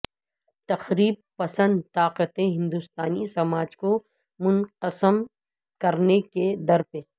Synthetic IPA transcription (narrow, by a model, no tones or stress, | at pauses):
t̪ɐxɾiːb̚pɐsə̃nd̪t̪aːqət̪ẽɦɪ̃nd̪ust̪aːnisɐmaːd͡ʒko | mʊnqəsəm | kɐɾneked̪ɐɾpe